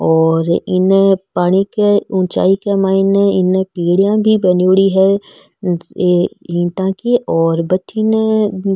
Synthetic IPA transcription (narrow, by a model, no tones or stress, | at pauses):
ɔːɾɪ̰npaːɽ̃ikeʊ̃ːt͡ʃa̰ːikemaːɪnɪnpiːɽijãbʱibɐnoːɽiɦɛː | ĩːt̪ãkiʔɔːɾbɐtʰin